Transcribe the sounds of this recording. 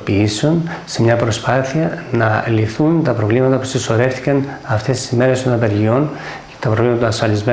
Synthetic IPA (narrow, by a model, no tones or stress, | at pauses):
piisonse̞mɲɐpɾo̞spɐθiɐnɐliθunt̪ɐpɾo̞vlimɐt̪ɐpu̥siso̞ɾe̞fθi̥kɐnɐft̪e̞st̪isime̞ɾe̞st̪o̞nɐt̪eɾʝio̞n | ce̥t̪ɐpɾovlimɐt̪ɐːsfɐlizme